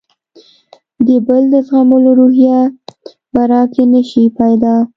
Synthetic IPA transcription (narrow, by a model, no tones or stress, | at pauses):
d̪əbəld̪əfɣamoloɾuɦja | b̥aɾɑkenəʃipajd̪ɑ